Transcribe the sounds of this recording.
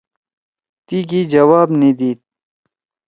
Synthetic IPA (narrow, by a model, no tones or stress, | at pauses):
t̪ikid͡ʒɐwaːbnid̪iːt̪̚